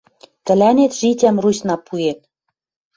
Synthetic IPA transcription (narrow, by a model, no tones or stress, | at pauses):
k̪ɘ̆lænʲet̪ʒitʲæmrusʲnɑpuet̪